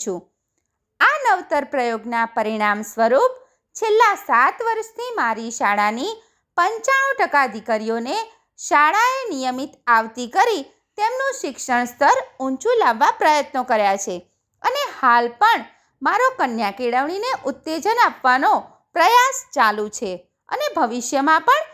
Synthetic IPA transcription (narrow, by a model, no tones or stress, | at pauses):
ũ | anəʋt̪əɾpɾəjoɡnapəɾiɽ̃amsʋəɾup | t͡ʃʰelːasat̪ʋəɾʃt̪ʰimaɾiʃaɭani | pəɲt͡ʃaɽ̃ũʈəkad̪ikəɾijone | ʃaɭaenijəmit̪aʋt̪ikəɾi | t̪emnũʃɪkʃəɳ̃st̪ʰəɾũɲt͡ʃũlaʋːapɾəjət̪nəkəɾjat͡ʃʰe | ənehalpəɳ | maɾokənjakiɽəʋɳineʔʊt̪ːed͡ʒənapʋano | pɾəjast͡ʃalũt͡ʃʰe | ə̰nebʱəʋiʃjəmãpəɳ